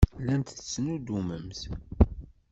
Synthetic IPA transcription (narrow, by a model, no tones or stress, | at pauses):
lænt̪t͡sːnud̪uməmθ